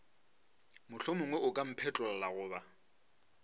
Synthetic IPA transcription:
mʊɬʰʊmʊŋwɛʊkʼam̩pʰɛt͡ɬʼɔlalaɣʊːba

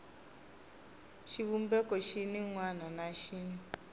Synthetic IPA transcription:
ʃiβum̩bɛkɔʃiniŋwananaʃiːni

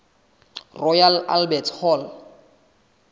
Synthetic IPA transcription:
rɔjala̰lbɛtʰhɔl

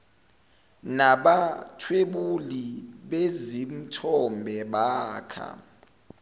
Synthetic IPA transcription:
naɓatʰweɓuliɓezim̩tʰɔmbʱɛɓaːkʰa̰

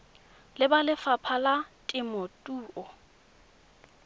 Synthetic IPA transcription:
lɪbalɪfapʰalatʼɪmɔtʼuːʔɔ

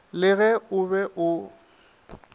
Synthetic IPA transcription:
lɪɣɛʊbɛʔʊ

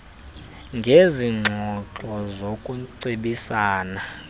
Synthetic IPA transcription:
ŋɡʱeziŋ͡ǁʱɔǁʼɔzokʼuǀiɓisaːna

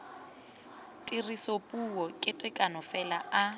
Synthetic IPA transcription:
tʼirisopʼuɔkʼɪtʼɪkʼanɔfɛlaʔa

